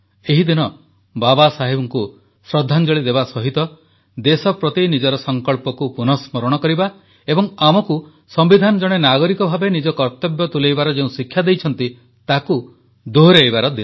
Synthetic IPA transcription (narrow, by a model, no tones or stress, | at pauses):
eɦid̪inɔ | babasaɦebɔŋku | sɾɔd̪ʱːand͡ʒɔɭid̪ebasɔɦit̪ɔ | d̪esɔpɾɔt̪inid͡ʒɔɾɔsɔŋkɔɭpɔkupunɔsmɔɾɔɽ̃ɔkɔɾiba | ebɔŋamɔku | sɔmbid̪ʱanɔd͡ʒɔɽ̃enaɡɔɾikɔbʱabenid͡ʒɔkɔɾt̪ɔbjɔt̪ulejbaɾɔd͡ʒeũsikʰːjad̪ejt͡ʃʰɔnt̪i | t̪aku | d̪uɦɾejbaɾɔd̪in